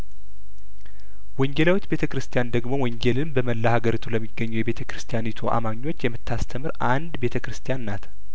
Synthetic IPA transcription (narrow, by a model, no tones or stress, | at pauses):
wɔɲd͡ʒelawot͡ʃːbe̞t̪ʰəkɨɾɨst̪ʰijand̪əɡmo̞wɔɲd͡ʒelɨnbəməlːahaɡəɾit̪ʰuləmːiɡːəɲːujɛβe̞t̪ʰəkɾɨst̪ʰijanit̪ʰuʔa̰maɲːo̞t͡ʃːjɛmːɨt̪ːast̪ʰəmɨɾʔand̪be̞t̪ʰəkɾɨst̪ʰijanːat̪ʰ